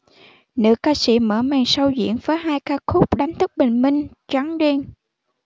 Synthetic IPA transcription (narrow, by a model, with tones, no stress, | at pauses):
nɨ̰˧˨˥kaː˧sḭ˧˩mə̰ː˧˩mɛː˨˩ŋsə˧wzḭ˧˨ənvəː˨˦jɦaː˧jkaː˧kʰʊ˦˥k͡p̚ɗa˨˦ŋt̪ʰɨ˦˥k̚ɓe˨˩ŋ̟mï˧ŋ̟ | t͡ɕa˨˦ŋzi˧n